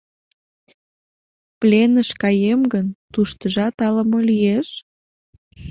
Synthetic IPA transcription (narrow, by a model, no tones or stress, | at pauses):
plenəʃkɑjemɡənt̪uʃt̪əʒɑt̪ɑləmolyjeʃ